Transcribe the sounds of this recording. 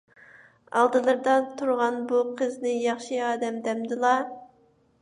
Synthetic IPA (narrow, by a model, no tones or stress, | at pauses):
ɑ̰lˠd̪ɨlˠɨɾd̪ɑt̪ʰuɾʁɑnbuqʰəznɨjɑχʃiɑːd̪ɛmd̪ɛmd̪ɨlˠɑ